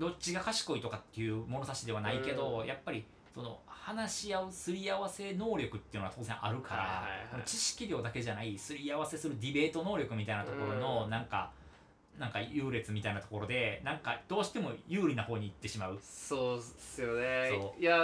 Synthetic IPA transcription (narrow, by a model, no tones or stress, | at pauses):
d̪o̞t͡ɕiɡakaɕi̥ko̞it̪okat̪ːe̞jɯ̟mo̞no̞t̪at͡ɕid̪e̞β̞anaike̞d̪o̞japːaɾʲi | so̞no̞̰hanaɕiaɯsɨɾʲiaβase̞no̞ːɾʲo̞kɯ̟t̪ːeɯ̟noat̪o̞ːzẽ̞ʔaɾɯ̟kaɾa̰ont͡ɕiɕi̥kʲiɾʲjo̞ːd̪ake̞ʑanaisɨɾʲiaβase̞sɨɾɯ̟d̪ʲibe̞ːt̪o̞no̞ːɾʲo̞kɯ̟mʲit̪ainat̪o̞ko̞ɾo̞no̞nãŋka̰ | nãŋkajɯ̟ːɾe̞t͡sɨmʲit̪ainat̪o̞ko̞ɾo̞d̪e̞nãŋkad̪̥o̞ːɕi̥t̪e̞mo̞̰jɯ̟ːɾʲinaho̞ːɲ̟iːt̪ːe̞ɕimaɯ̟soːsɨjonesoːja